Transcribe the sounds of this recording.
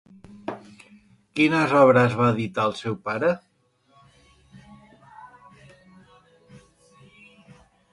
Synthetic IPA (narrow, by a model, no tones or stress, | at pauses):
kinəzɔβ̞ɾəzβaːðit̪aəlˠsɛwpaɾə